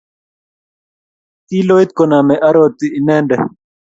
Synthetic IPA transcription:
t̪iː˦loːit̪̚konaː˨meʔɐ˦ɾoːt̪ːi˨i˨neː˦nɖḛ˨

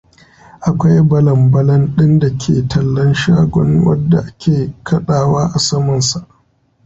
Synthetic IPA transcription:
ʔa˨kʷa˦jbɐ˨lɐ˨mbɐ˦lɐ˦nɗɪ˦nda˨kʲʰḛː˨tʰɐ˨lːɐ˦nʃaː˦ɡʷɔ̰˦nwɐ̰˦dːa˨ʔa˦kʲeː˨kʰɐ˦ɗaː˨waː˦ʔa˨sɐ˦mɐ˨nsa˨ʔ

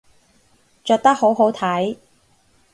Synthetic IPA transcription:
t͡ʃœː˨˧k̚t̪ɐ˥k̚ho˨˥wɦo˨˥wt̪ʰɐ˨˥j

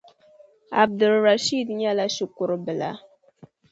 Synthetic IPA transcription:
a̰˨b̚du˨lɾa˨ʃi˦˨dɲa˦la˦ʃi˨ku˨ɾbɨ˨la̰˨˦

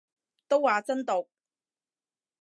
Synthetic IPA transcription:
t̪o˥wːaː˨t͡sɐ˥nt̪o˨˩k̚

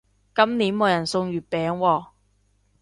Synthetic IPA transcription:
kɐ˥mniː˨˥nmoː˨˧jɐ˨˩nsʊ˧ŋjyː˨˩t̚pɛː˨˧ŋwɔː˧

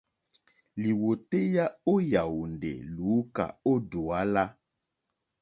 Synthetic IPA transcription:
li˨wo˨te˦ja˦o˦ja˨wu˨ndḛ˨lu˨˦ka̰˨o˦do˨a˦la˦

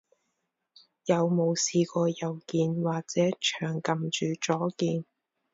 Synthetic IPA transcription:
jɐ˨˧wmo˨˧wsiː˨˧kɔː˧jɐ˨wkiː˧nwaː˨˩k̚t͡sɛː˨˥t͡ʃʰœː˨˩ŋkɐ˨mt͡ʃyː˨t͡ʃɔː˨˥kiː˧n

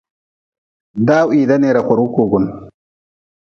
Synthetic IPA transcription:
daː˦wi˨da˦ne˨ɾa˨kʷʊ˨ɾu˦kuː˨ɡʊ˨n

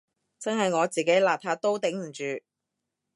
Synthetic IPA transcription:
t͡sɐ˥nɦɐ˨jŋɔː˨˧t͡siː˨ke˨˥jlaː˨˩p̚t̪ʰaː˧˥t̪o˥wt̪ɪ˨˥ŋm̩˨˩t͡ʃyː˨

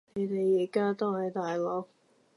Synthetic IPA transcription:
ne˨˧t̪e˨jːiː˨˩kaː˥t̪o˥whɐ˨˧˥jt̪aː˨jlɔː˨˥k̚

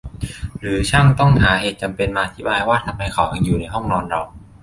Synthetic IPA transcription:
ɾɯː˩˦t͡ɕʰa˥˩ŋt̪ɔ˥˩ŋɦaː˩˦ɦheː˨˩t̪̚t͡ɕa˧mpe˧nmaː˧ʔt̪ʰi˨˦baː˧jwaː˥˩t̪ʰa˧mha˧jkʰa̰˨˩wʔa˧ŋjuː˨˩na˧jɦɔ˥˩ŋnɔː˧nɾa˧w

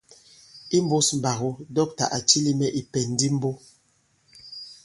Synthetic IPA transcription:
i˦m˦bo˦sm̩˨ba˨ɣu˦dɔ˦k̚ta̰˨ʔa˨t͡ʃi˦li˦mɛ˦ʔi˨pɛ˨n˨˦di˦m̩˦bo˦

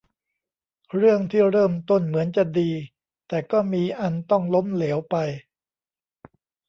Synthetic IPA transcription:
ɾɯ˥˩əŋt̪ʰiː˥˩ɾɤː˥˩mt̪o˥˩nmɯ˩˦ənt͡ɕa˨˩diː˧ | t̪ɛː˨˩kɔː˥˩miː˧ʔa˧nt̪ɔ˥˩ŋlo˦˥mleː˩˦wpa˧j

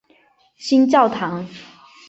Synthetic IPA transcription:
ɕi˦nt͡ɕjɑ˥˨ʊt̪ʰɑ˨˦ŋ

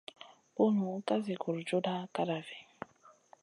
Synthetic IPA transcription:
u˦nu˨˦ka˦zi˨ku˨ɾd͡ʒu˦da˦ka˦ɾa˨vi˨

